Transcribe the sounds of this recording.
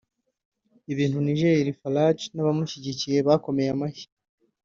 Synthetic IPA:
iβiːnhuniʒeɾiɾifalat͡ʃnaβamuʃiɟicije̞βako̞me̞jamaçi̥

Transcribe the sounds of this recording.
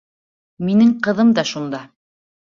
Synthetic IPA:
minɘŋqɤ̆ðɤmd̪ɑʃund̪ɑ

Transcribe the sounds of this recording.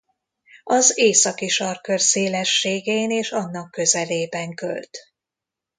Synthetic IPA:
ɒzeːsɒkiʃɒrkørseːlɛʃːeːɡeneːʃɒnːɒkːø̞zɛleːbɛŋkø̰lt̪

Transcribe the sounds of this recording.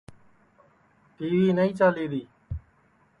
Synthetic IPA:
ɖ̪iːʋiːnəĩːt͡ʃaːliːd̪iː

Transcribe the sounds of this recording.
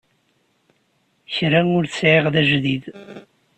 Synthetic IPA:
çɾæŋʊɾθsʕeʁðæʒðið

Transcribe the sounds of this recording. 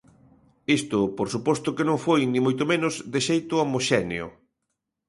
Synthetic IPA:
ist̪ʊpoɾsupɔst̪ʊkenõŋfojnĩmojt̪omẽnʊzðeʃejt̪ʊomoʃɛneʊ̰

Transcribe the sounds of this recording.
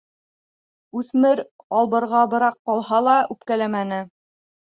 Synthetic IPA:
ʉθmɘɾ | ɑlˠbɤ̆ɾʁɑbɤ̆ɾɑqːɑlˠɦɑlˠɑʔʉpkælæmænɘ

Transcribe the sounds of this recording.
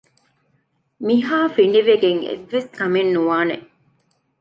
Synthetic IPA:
miɦaːfiɳ̆ɖiʋeɡeŋḛʋːeskɐmenːuʋaːne

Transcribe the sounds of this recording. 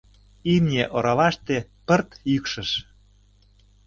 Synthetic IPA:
imnʲeʔoɾɑlɑʃt̪epə̆rt̪jykʃə̆ʃ

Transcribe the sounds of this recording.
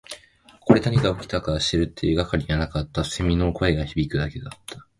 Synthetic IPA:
ko̞ɾe̞t̪aɲ̟ʲiɡaokʲi̥t̪akaɾaɕi̥t̪eɾɯ̟t̪ʰːeːɡakaɾʲiɡanakat̪ːase̞mʲino̞ːko̞e̞ɡaçibʲikɯ̟d̪ake̞d̪at̪ːḁ

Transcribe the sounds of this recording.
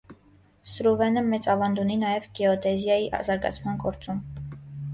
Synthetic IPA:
sɾuvɛnəmɛt͡sʼɑvɑnd̪uninɑjɛvɡɛɔt̪ɛzjɑjiʔzɑɾɡɑ̰t͡sʰmɑnɡɔɾt͡sʼum

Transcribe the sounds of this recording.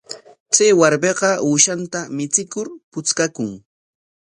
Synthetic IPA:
t͡sajwaɾbeɢɑuːʃant̪amɪt͡sɪkʊɾpʊt͡skakʊŋ

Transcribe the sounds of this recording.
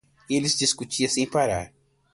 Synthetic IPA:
elisd͡ʒiskut͡ʃiɐsẽj̃paɾa̰ɾ

